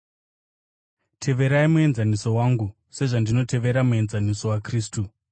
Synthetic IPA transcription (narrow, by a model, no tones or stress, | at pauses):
tʰe̞ʋe̞ɾaimue̞nzaniso̞waŋɡu | se̞ʐandino̞te̞ʋe̞ɾamue̞nzaniso̞wakriːstu